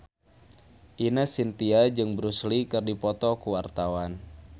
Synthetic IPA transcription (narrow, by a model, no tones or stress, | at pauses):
ʔinasint̪iad͡ʒɨŋbɾuslikɨrdipɔt̪ɔkuwart̪awan